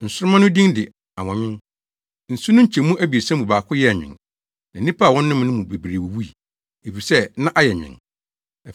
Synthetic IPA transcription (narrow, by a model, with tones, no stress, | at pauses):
n̩˨sʊ˦ɾʊ˦mã˦nʊ̃˦dĩ˦ŋdɪ˨ | a˨wɔ̃˨ɲɪ̃˦n | n̩˨sʊ˦nʊ̃˦ɲ̩˦t͡ɕʰɛ˨mũ˦ʔæ˦bi˨e˨sã˦mũ˨baː˨kʰʊ˦jɛ˦˨ɲᶣɪ̰̃˨n | nã˨˦ĩ˦pʰa˦˨wɔ̃˦nː˦ʊ̃˦m˦nʊ̃˦mũ˨be˨bɾe˨wo˨wu˦i˨ | e˨fi˨sɛ˦nã˦ʔa˦jɛ˨ɲᶣɪ̰̃˨n˨